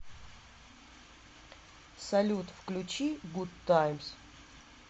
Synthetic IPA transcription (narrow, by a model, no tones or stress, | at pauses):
sɐlʲut̪fklʲut͡ɕiɡut̪ːajms